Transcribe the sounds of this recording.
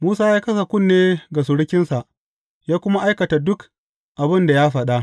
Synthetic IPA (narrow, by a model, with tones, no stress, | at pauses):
muː˦saː˦jaː˦kɐ˦sa˨kʷʊ˦˨nːeː˦ɡa˨s̬ʊ˨ɽɪ˦kʲɪ˦nsa˨ʔ | jaː˦kʷʊ˦ma˦ʔa˦jkɐ˨ta˨dʊ˦k | ʔa˨bɪ˦nda˨jaː˦ɸɐ˦ɗa˦